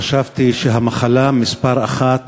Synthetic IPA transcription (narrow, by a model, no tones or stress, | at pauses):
aʃavt̪iʃeɦamaχalamispaʁaχat̪